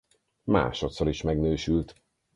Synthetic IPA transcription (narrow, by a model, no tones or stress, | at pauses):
ma̰ːʃot̪soɾiʃmɛɡnøːʃylt̪